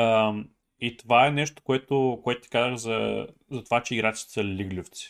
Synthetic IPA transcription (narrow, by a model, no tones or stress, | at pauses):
əm | it̪ovaɛnɛʃt̪o̥koɛt̪okoɛt̪ʊ̥t̪i̥kazvəxzɐ̰zɐt̪ovat͡ʃɛiɡɾat̪t͡ʃ̪i̥ɛ̥sɐlʲiɡlʲuft̪si̥